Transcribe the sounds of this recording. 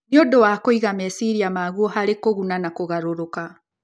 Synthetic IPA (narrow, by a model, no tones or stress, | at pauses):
njodowakoiɣamɛsiɾiamaːɣuɔhaɾekoɣunanakoɣaɾoɾoka